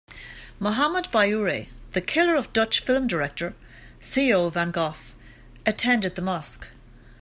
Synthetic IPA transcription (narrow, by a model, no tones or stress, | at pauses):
moɦaməd̚baɪuɹeðəkʰɪlə˞ʌvdʌt͡ʃfɪlˠmdəɹɛk̚tə˞ | θioʊvãnɡɔf | ətʰɛ̃ndɨd̪̚ðəmʌsk